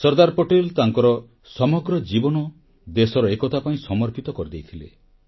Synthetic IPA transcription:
sɔɾd̪aɾpoʈelt̪aŋkɔɾɔ | sɔmɔɡɾɔd͡ʒibɔnɔ | d̪esɔɾɔekɔt̪ʰapaĩsɔmɔɾpit̪ɔkɔɾid̪ejt̪ʰilḛ

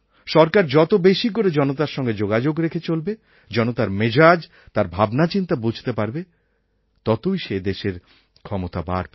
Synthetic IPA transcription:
ʃɔɾkaɾd͡ʑɔt̪obeʃikoɾed͡ʑɔnot̪aɾʃɔŋɡed͡ʑoɡad͡ʑoɡɾekʰet͡ɕolbe | d͡ʑɔnot̪aɾmed͡ʑad͡ʑ | t̪aɾbʱabnat͡ɕint̪abud͡ʑʱt̪epaɾbe | t̪ɔt̪ojʃed̪eʃeɾ | kʰɔmot̪aba̰ɾ

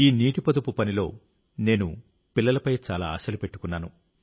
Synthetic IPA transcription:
iːniːʈipɐd̪upupɐnilo̞ː | ne̞ːnu | pilːɐlɐpɐjt͡ʃaːlaːa̰ːsɐlupe̞ʈːu̥kunːaːnu

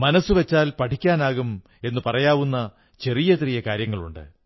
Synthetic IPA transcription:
mɐnɐsːuʋet͡ɕːaːlpɐʈʰikʲːaːnaːɣum | e̞nːɨpɐrɐjaːʋunːɐ | t͡ɕe̞rijɐt̪rijɐkaːɾjɐŋːɐɭṵɳɖɨ̰

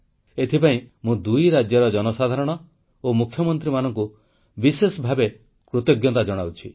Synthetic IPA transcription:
et̪ʰipaĩmũd̪ujɾad͡ʒjɔɾɔd͡ʒɔnɔsad̪ʱaɾɔɽ̃ɔ | omukʰjɔmɔnt̪ɾimanɔŋku | bisesɔbʱabe | kɾot̪joɡjɔt̪ad͡ʒɔɽ̃awt͡ʃʰi

